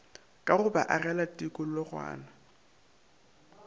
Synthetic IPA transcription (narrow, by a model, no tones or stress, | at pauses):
kʼarʊbaʔarɛlatʼikʼʊlɔrwa̰ːna